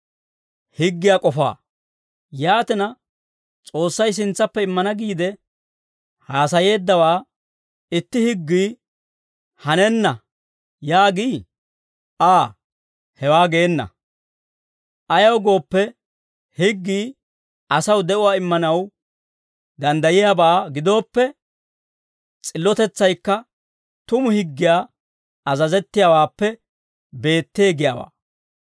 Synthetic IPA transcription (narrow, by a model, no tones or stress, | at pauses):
hɪɡːɪjaːkʼɔfa̰ː | jaːt̪ɪnɐ | t͡sʼo̞ːsːɐjs̬ɪnt͡sːɐpːɛɪmːɐnɐɡiːd̪ɛ | haːs̬ɐje̞ːd̪ːɐwaː | ɪt̪ːɪhɪɡːiː | hɐnɛnːɐ | jaːɡiː | ʔaː | hɛwaːɡe̞ːnːɐ̰ | ʔɐjɐwɡo̞ːpːɛ | hɪɡːiː | ʔɐsɐwd̪ɛʔʊwaːɪmːɐnɐw | d̪ɐnd̪ɐjɪjaːbaːɡɪd̪o̞ːpːɛ | t͡sʼɪlːɔt̪ɛt͡sːɐjkːɐ | t̪ʊmʊhɪɡːɪjaː | ɐzɐzɛt̪ːɪjaːwaːpːɛ | be̞ːt̪ːe̞ːɡɪjaːwa̰ː